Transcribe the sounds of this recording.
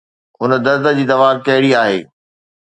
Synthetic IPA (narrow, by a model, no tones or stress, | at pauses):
ʊn̆d̪ɐɾd̪ə̆d͡ʑiːd̪ɐʋaːɾkɐɦɪɽiaːɦḛː